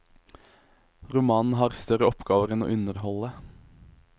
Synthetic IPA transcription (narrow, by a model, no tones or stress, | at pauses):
ʁʊmɑːnn̩hɑːʁst̪œʁəɔpɡ̥ɑːʋəʁɛno̰ːʔʉnəʁhɔlə